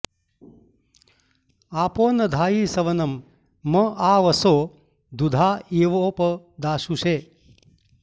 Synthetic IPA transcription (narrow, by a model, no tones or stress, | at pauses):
aːpoːnɐd̪ʱaːjiːsɐʋɐnɐmː | ɐʔaːʋɐsoː | d̪ud̪ʱaːeːʋoːpɐ | d̪aːʃuʃeː